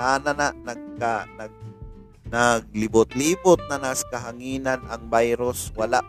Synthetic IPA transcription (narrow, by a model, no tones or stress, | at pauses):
ananaʔnɐɡ̚kanaɡ̚ | naɡ̚lɪbʊt̪liːbʊt̪̚nanaskaɦaŋiːnanʔɐŋbajɾoswɐlaʔ